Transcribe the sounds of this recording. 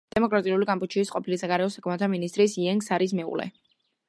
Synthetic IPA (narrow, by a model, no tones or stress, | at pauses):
d̪̥ɛmɔkʼɾat̪ʼiuliɡampʼut͡ʃʰiːsqʼɔpʰilisaɡaɾɛɔsakʰmɛt̪ʰt̪ʰaminist̪ʼɾisiɛŋɡsaɾis̬mɛṵlɛ̰